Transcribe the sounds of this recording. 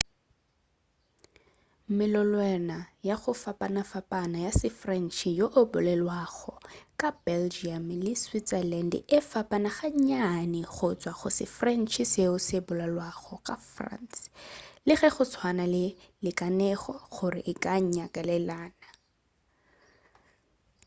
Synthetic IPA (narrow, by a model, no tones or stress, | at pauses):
mɪlɔlwɛnajaχʊfapʼanafapʼanajasɪfrɛn̩t͡ʃʰijoʔʊbʊlɛlwaɣɔkʼab̥ɛld͡ʒiamlɪswit͡sɛlɛndɪfapʼanaχaɲanɪɣʊt͡sʼwaχʊsɪ̰frɛn̩t͡ʃʰiseʊsɪbʊlalwaɣɔkʼafra̰nslɪɣɛχʊt͡sʰwanalɪlɪkʼanɛχɔɣʊrɪ̰ʔɪkʼaɲ̩ɲakʼalɛlaːna